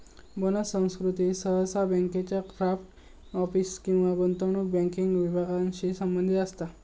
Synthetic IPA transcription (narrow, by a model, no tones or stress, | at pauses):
bonəsə̃w̃skɾut̪iːsəɦəsabəŋket͡ɕjakɾafʈ | ɔfiskĩw̃ʋaɡont̪əɳ̃uk̚bɛ̃ŋkiŋɡʋibʱaɡanɕiːsəmbənd̪ʱit̪əst̪a